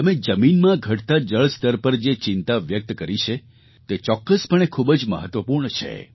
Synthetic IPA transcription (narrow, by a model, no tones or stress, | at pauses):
t̪əmed͡ʒəminmãɡʱəʈt̪ad͡ʒəɭst̪əɾpəɾd͡ʒet͡ʃɪ̃nt̪aʋjək̚t̪kəɾit͡ʃʰe | t̪et͡ʃɔkːəspəɳ̃ekʰubəd͡ʒmə̰ɦət̪ʋəpuɾɳt͡ʃʰḛ